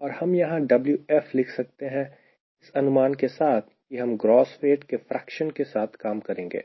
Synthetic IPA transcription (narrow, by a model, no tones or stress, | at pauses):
ɔːɾhɐmjɐɦãɖɐbljuɛflɪkʰsɐk̚t̪eɦɛ̃ | ɪsɐnʊmaːnkesaːt̪ʰjeɦɐmɡɾɔːsfeːʈkefɾɛːkʃənkesaːt̪ʰkaːmkɐɾẽːŋɡḛː